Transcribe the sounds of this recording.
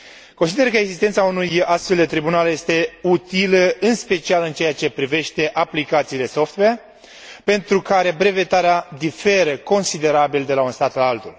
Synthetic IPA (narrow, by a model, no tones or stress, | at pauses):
konsid̪erkəeɡzist̪e̞nt̪saunujast̪fe̞ld̪e̞t̪ɾibunalje̞st̪e̞ut̪iləɨnspe̞t͡ʃialɨnt͡ʃe̞jat͡ʃe̞pɾive̞ʃt̪e̞ʔaplikat̪siːle̞so̞ft̪we | pe̞nt̪ɾukaɾe̞bɾe̞ve̞t̪aɾead̪ife̞ɾəko̞nsid̪e̞ɾabild̪e̞launst̪at̪alalt̪ul